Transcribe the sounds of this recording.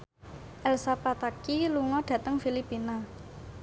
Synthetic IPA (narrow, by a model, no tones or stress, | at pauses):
ʔɛlsapat̪akiluŋɔɖ̥ä̤t̪əŋfilipina